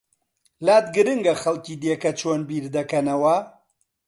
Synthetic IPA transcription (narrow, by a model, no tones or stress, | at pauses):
laːt̪̚ɡɨɾɨŋɡɐxɐlkiːd̪jekɐt͡ʃʰoːnbiːɾd̪ɐkɐnɐwɐ